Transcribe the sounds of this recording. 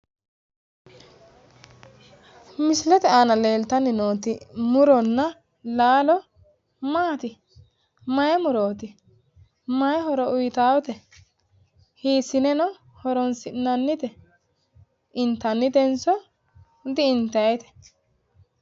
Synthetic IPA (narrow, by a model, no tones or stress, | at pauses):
mɪslɛt̪ɛaːnɐle̞ːlt̪ɐnːɪnoːt̪ɪmʊɾɔnːɐ | laːlɔ | maːt̪ɪ | mɐjɛmʊɾo̞ːt̪ɪ | mɐjɛɦɔɾɔʊjt̪aːwɔt̪ɛ | hiːsːɪnɛnɔ | hɔɾɔnsɪʔnːɐnːɪt̪ɛ | ʔɪnt̪ːɐnːɪd̪ɛnsɔ | d̪ɪɪnt̪ɐjɛt̪ɛ̥